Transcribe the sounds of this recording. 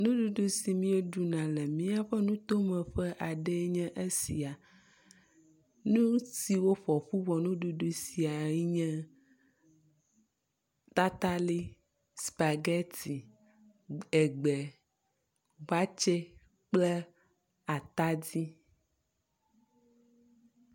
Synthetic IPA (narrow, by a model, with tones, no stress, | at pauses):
nũ˦ɖu˦ɖu˦si˨mĩ˦e˦ɖu˨nã˨lɛ˨mĩ˦a˦ɸɛ˦nũ˦t̪o˦mɛ̃˨ɸɛ˦ʔa˨ɖɛ˦ɲɛ̃˦ʔe˦sḭ˨a˨ | nũ˦si˨wo˦ɸɔ˨ɸu˦vɔ˨nũ˦ɖu˦ɖu˦si˨a˨i˦ɲɛ̃˦ | t̪a˦t̪a˦li˦ | spa˨ɡɛ˦t̪i˨ | ɛ˨ɡ͡bɛ˨ | va˦t͡ʃe˦ | k͡plɛ˦ | a˨t̪a˦di˦